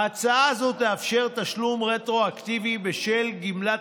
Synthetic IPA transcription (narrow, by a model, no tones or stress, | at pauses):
at͡saazot̪eafʃe̞ʁt̪aʃlumʁet̪ʁo̞akt̪ivibeʃelɡimla